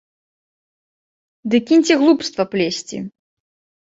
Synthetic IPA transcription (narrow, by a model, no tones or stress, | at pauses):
d̪ɨkʲinʲt͡sʲiɣlˠupst̪vɐplʲesʲt͡sʲḭ